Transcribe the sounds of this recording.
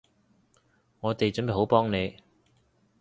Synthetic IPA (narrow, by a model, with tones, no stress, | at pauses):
ŋɔː˨˧t̪e˨jt͡sɵ˨˥nmpe˨˩ho˨˥wpɔː˥ŋne˨˧